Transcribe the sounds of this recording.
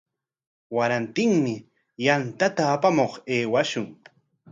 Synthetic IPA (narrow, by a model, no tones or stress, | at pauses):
waɾant̪ɪŋmɪ | jant̪at̪aːpamoχeːwaʃʊŋ